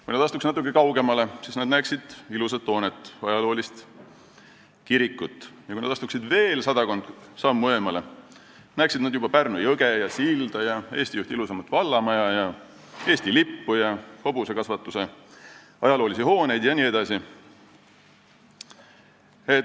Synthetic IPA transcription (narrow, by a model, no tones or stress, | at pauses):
kujned̪ɑst̪uksnɑt̪ukːˑekɑwɡe̞mɑle̞sisned̪næːksid̪̥ilusɑt̪ːo̞ːnet̪ːˑɑjɑlo̞ːlist̪ | kiɾikːˑut̪ːˑjɑkujned̪̥ɑst̪uksid̪ve̞ːlsɑd̪̥ɑko̞nd̪sɑmːuemɑle̞ | næːksid̪̥nɑd̪jubɑpærnujɤɡejɑsild̪̥ɑjɑe̞̰ːsʲt̪ijuht̪iilusɑmɑt̪ːˑvɑlːɑmɑjɑjɑ | e̞ːsʲt̪ilipːujɑho̞buse̞kɑsvɑt̪ːˑuse̞ | ɑjɑlo̞ːlisihoːne̞jd̪jɑnʲie̞d̪̥ɑsi | e